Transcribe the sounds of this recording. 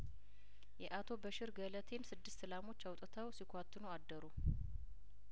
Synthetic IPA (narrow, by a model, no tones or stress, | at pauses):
jɛʔat̪ʰo̞bəʃɪɾɡələt̪ʰe̞nsɨd̪ːɨst̪sɨlamo̞t͡ʃːawt̪ʼt̪ʰəwsikʰʷat̪ːɨnuad̪ːəɾu